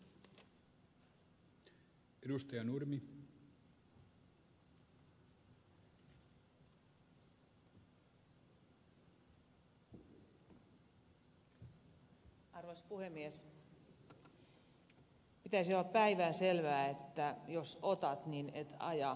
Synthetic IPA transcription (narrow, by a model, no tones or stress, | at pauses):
edust̪ɑjɑnurmi | ɑrʋɑspuhemːies | pit̪æisiolːɑppæiʋæːnselʋæːet̪ːæjosot̪ɑt̪ninet̪ɑ̰jɑ